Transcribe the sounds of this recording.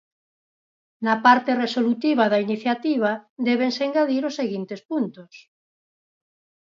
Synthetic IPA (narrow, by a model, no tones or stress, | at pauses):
napaɾt̪eresolut̪iβ̞aðainiθjat̪iβ̞ad̪ɛβ̞eŋseŋɡaðiɾosːeɣint̪espunt̪os